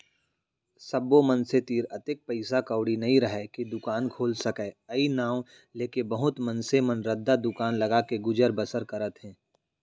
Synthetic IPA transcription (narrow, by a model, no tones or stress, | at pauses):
sɐbːomənset̪iːɾɐt̪ɪk̚pəɪsakəʊɽinɐɦĩɾɐɦɛkid̪ʊkaːnkʰoːlsɐkɛːɐinaːw | leːkebɐɦʊt̪mənsemənɾəd̪ːad̪ʊkaːnlɐɡakeɡʊd͡ʒəɾbəsəɾkɐɾət̪ɦɛ̃ː